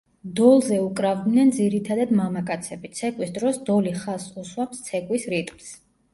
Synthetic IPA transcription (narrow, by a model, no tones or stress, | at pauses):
d̪ɔlˠzɛukʼɾavd̪nɛnd̪ziɾit̪ʰad̪ad̪mamakʼat̪sʰɛbit̪sʰɛkʼwisd̪ɾɔsd̪ɔliχasuswamst̪sʰɛkʼwisɾit̪ʼms